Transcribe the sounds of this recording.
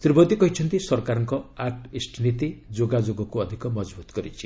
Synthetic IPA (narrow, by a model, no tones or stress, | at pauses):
t̪ibɔd̪ikɔɦit͡ʃʰʌnt̪isɔɾkaɾɔŋkɔaʈisʈʰnit̪id͡ʒoɡad͡ʒoɡɔkuɔd̪ʱikɔmɔd͡ʒbut̪ɔɡɔɾit͡ʃʰi̥